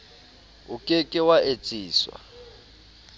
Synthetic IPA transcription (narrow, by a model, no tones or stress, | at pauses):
ʊkʼekʼɪwaʔet͡sʼiːswa̰